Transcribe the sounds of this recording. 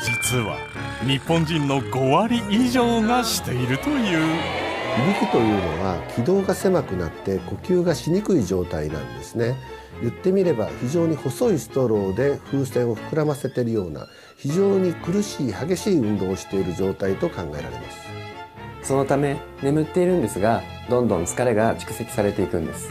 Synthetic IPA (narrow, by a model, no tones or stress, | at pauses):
d͡ʑit͡sɨβa̰ | ɲ̟ipːõ̞ɲ̟d͡ʑĩnːo̞ɡo̞βaɾʲiʔiʑo̞ːŋaɕi̥t̪e̞iɾɯ̟t̪o̞jɯ̟ːçibʲikʲit̪o̞jɯ̟ːno̞̰β̞akʲʰid̪o̞ːɡase̞makɯ̟nat̪ːe̞ko̞kʲɨːɡaɕiɲ̟ikɯ̟iʑo̞ːt̪ainã̰nd̪e̞sɨne̞ | jɯ̟t̪ːe̞mʲiɾe̞ba̰çiʑo̞ːɲ̟iho̞so̞isɨ̥t̪o̞ɾo̞ːd̪e̞ɸɯ̟ːsẽ̞ɰ̃o̞ɸɯ̟̥kɯ̟ɾamase̞t̪e̞ɾɯ̟jo̞ːna̰ | çiʑo̞ːɲ̟ikɯ̟ɾɯ̟ɕiːhaɡe̞ɕiːɯ̟̃nd̪o̞ːɕi̥t̪e̞iɾɯ̟ʑo̞ːt̪ait̪o̞kãŋɡae̞ɾa̰ɾe̞̰ma̰sɨ̥ | so̞no̞t̪ame̞ | ne̞mɯ̟t̪ːe̞iɾɯ̟̃nd̪e̞sɨɡa | d̪õ̞nd̪õ̞nt͡sɨ̥kaɾe̞ɡat͡ɕi̥kɯ̟̥se̞kʲi̥saɾe̞t̪e̞ikɯ̟̃nd̪e̞sɨ̥